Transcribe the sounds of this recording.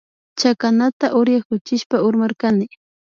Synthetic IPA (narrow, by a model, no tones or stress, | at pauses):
t͡ʃakanat̪aʔʊɾjaχkʊt͡ʃɪʃpaʊɾmaɾkanɪ